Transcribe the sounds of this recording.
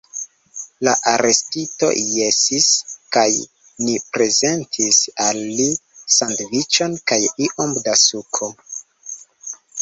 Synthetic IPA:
laʔaɾe̞stito̞̰jesiskaj | nipɾe̞ze̞ntʰisalːisandvit͡ʃo̞nkajiʔomdasukʰo

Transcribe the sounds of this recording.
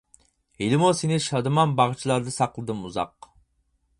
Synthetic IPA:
helɪmusenɪʃɑd̪ɨmɑnbɑʁt͡ʃʰilˠɑɾd̪ɨsɑqlˠɨd̪ɨmuzɑ̰q

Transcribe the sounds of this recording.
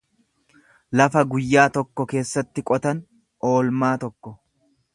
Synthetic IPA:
lɐfɐɡʊjːaːt̪ɔkːɔke̞ːsːɐt̪ːɪkʼɔt̪ɐn | ʔo̞ːlmaːt̪ɔkːɔ

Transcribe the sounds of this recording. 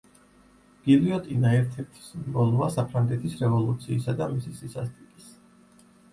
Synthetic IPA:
ɡ̥iliɔt̪ʼinaɛɾt̪ʰɛɾt̪ʰi̥sbɔluvasapʰɾaŋɡɛt̪ʰisɾɛvɔlˠut̪sʰiːsad̪amisisisast̪ʼikʼis

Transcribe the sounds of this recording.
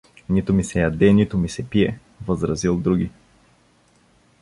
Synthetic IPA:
nit̪ʊmisɛjɐd̪ɛnit̪ʊmisɛpiɛ | vəzɾɐzilˠd̪ɾuɡʲi

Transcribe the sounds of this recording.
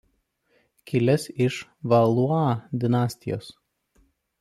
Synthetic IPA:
kʲɪlʲɛsɪʃʋɐlˠuɑːd̪ʲɪnɑːsʲt̪ʲɪjo̰ːs

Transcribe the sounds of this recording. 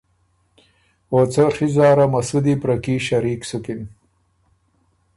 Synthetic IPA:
oːt͡sɐʂizɑːɾamɐsud̪ipɾɐkiʃɐɾiːksukin

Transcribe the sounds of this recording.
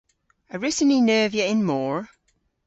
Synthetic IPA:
əɹɪsəninɜːvjəɪ̃nmɔːɹ

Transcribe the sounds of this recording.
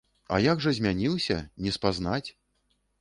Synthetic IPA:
a̰jaɡʐɐzʲmʲanʲilwsʲɐ̰nʲɛspaznat͡sʲ

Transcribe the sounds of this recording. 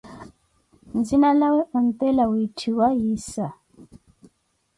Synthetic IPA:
nd͡zinalawɛʔɔnt̪ɛlawitʰiwajisa

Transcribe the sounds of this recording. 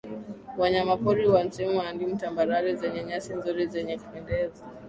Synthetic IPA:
waɲamapɔɾiwansɛmuandim̩tambaɾaɾizɛɲɛɲasinzuɾizɛɲɛkupɛndɛza

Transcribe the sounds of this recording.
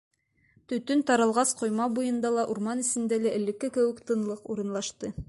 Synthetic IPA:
t̪ɵ̆t̪ɵnt̪ɑɾɤ̆lˠʁɑsqŏjmɑbujɤ̆nd̪ɑlˠɑʔuɾmɑnɘ̆sɘ̆nd̪ælæʔɘ̆lːɘ̆kːɘkɘ̆wɘ̆kt̪ɤ̆nlˠɤquɾɤ̆nlˠɑʃt̪ɤ

